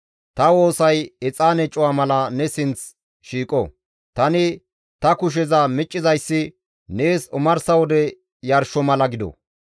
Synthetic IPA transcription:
t̪ɐwo̞ːsɐjɛt͡sʼaːnɛt͡ʃʼːʊwaːmɐlɐnɛsɪnt͡s | ʃiːkʼɔ | t̪ɐnɪ | t̪ɐkʊʃ̬ɛzɐmɪt͡ʃʼːɪzɐjsːɪ | neːsʊmɐɾsɐwɔd̪ɛ | jɐɾʃɔmɐlɐɡɪd̪ɔ̰

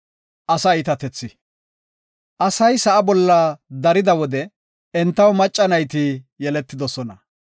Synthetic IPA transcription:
ʔɐsɐɪt̪ɐt̪ɛt͡sːɪ | ʔɐsɐjsɐʔɐbɔlːɐd̪ɐɾɪd̪ɐwɔd̪ɛ | ɛnt̪ːɐwmɐt͡ʃʼːɐnɐjt̪ɪjɛlɛt̪ːɪd̪ɔsɔnɐ

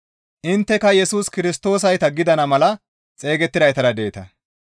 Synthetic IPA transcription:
ʔɪnt̪ːɛkɐjɛsuːskɪɾɪst̪o̞ːs̬ɐjt̪ɐɡɪd̪ɐnɐmɐlɐ | t͡sʼe̞ːɡɛt̪ːɪd̪ɐjt̪ɐɾɐd̪e̞ːt̪ɐ

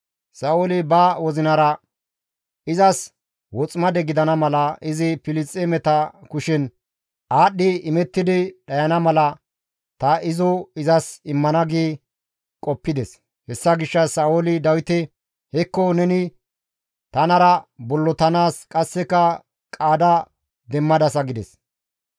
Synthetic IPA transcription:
saːolɪbɐwɔzɪnɐɾɐ | ɪzɐs | wɔt͡sʼmɐd̪ɛɡɪd̪ɐnɐmɐlɐɪzɪpɪlɪt͡sʼːemɛt̪ɐkʊʃɪn | ʔaːɗːɪɪmɛt̪ːɪd̪ɪɗɐjɐnɐmɐlɐ | t̪ɐɪzɔɪzɐsɪmːɐnɐɡeː | kʼɔpːɪd̪ɛs | hɛsːɐɡɪʃːɐsaːʔolɪd̪ɐwɪt̪ɛ | hɛkːɔnɛnɪ | t̪ɐnɐɾɐbɔlːɔt̪ɐnaːskʼɐsːɛkːɐ | kʼaːd̪ɐ | d̪ɛmːɐd̪ɐsɐɡɪd̪ɛs

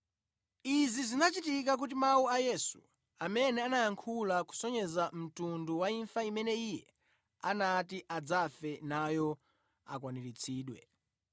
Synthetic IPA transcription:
izizinat͡ʃitik̬ak̬ut̬imawuajɛsṵ | amɛnɛanajaŋkʰulaku̥sɔɲɛzam̩tunduwaiɱfaimɛnɛijɛ | anatiʔad͡zafɛnajɔ | a̰kwaniɾit͡sʰiːɗwɛ̰

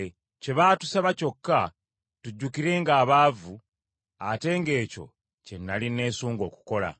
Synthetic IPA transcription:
ce̞βaːtusaβaco̞kːa | tuɟːukiɾe̞ːŋɡaːβaːvuː | te̞ːŋɡe̞ːco̞̰ | ce̞nːaline̞ːsuːŋɡo̞ːku̥ko̞la̰

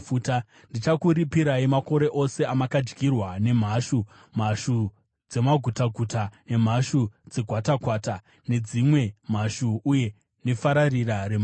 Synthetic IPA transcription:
fuːta | ndit͡ʃakuɾipiɾaimako̞ɾe̞ʔo̞se̞amakad͡ʒɡʱirwane̞m̤aʃu | m̤aʃu | d͡ze̞maɡʱutaɡʱutane̞m̤aʃud͡ze̞ɡʱwatakwaːta | ne̞d͡zimwe̞m̤aʃuuje̞ | ne̞faɾarirarem

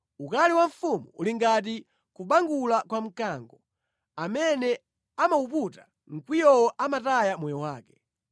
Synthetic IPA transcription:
ukaliwaɱ̩fumuṵliŋɡat̬i | kuɓaŋɡulakwam̩kaŋɡɔ | amɛnɛ | amauputa | ŋ̩kwijɔwɔʔamatajamɔjɔwaːkɛ̥

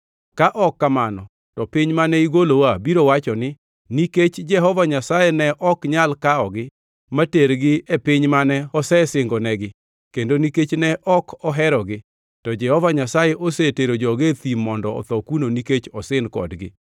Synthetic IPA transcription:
kaʔɔkːamanɔ | tɔpɪɲmanɛiɡolowabiɾowat͡ʃɔnɪ | niket͡ʃd͡ʒɛɦɔvaɲasajɛnɛʔɔkɲalkaɔɡɪ | mateɾɡɪepɪɲmanɛɔsɛsɪŋɡɔnɛɡɪ | kendoniket͡ʃnɛʔɔkʰɔɦɛɾɔɡɪ | tɔd͡ʒɛhɔvaɲasajɛʔoseteɾod͡ʒɔɡet̪imːɔndɔɔ̰t̪ɔkunoniket͡ʃɔsɪnkɔ̰dɡɪ̰

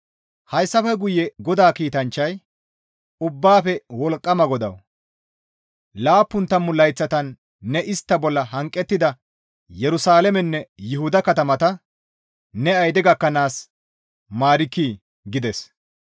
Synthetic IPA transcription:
hɐjsːɐfɛɡʊjɛɡɔd̪aːkiːt̪ɐnt͡ʃːɐj | ʊbːaːfɛwɔlkʼːɐmɐɡɔd̪ɐ̰w | laːpːʊnt̪ːɐmːʊlɐjt͡sːɐt̪ɐnː | ɛʔɪst̪ːɐbɔlːɐɦɐŋkʼːɛt̪ːɪd̪ɐ | jɛɾʊsaːlɛmɛnːɛjɪɦʊd̪ɐkɐt̪ɐmɐt̪ɐ | nɛɐjd̪ɛɡɐkːɐnaːs | maːɾɪkːiː | ɡɪd̪ɛs

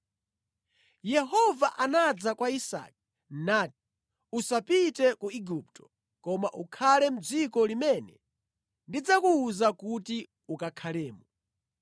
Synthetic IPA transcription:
jɛɦɔvaʔanad͡zakwaisa̰ːk̚i | naːti̥ | usapitɛkuiɡup̚tʰɔ̥ | kɔmaʔukʰalɛm̩d͡zikɔlimɛnɛ | ndid͡zakuːzakuti | ukakʰalɛːmu

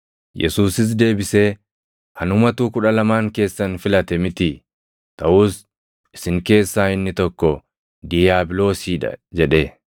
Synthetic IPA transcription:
jʔɛ̰suːsɪs̬d̪e̞ːbɪse̞ː | hɐnʊmɐt̪uːkʊᶑɐlɐmaːŋke̞ːsːɐnfɪlɐt̪ɛmɪt̪i | t̪ɐʔuːs | ɪsɪŋke̞ːsːaːɪnːɪt̪ɔkːɔ | d̪ɪjaːbɪlo̞ːsiːᶑɐ̰d͡ʒɛᶑeː

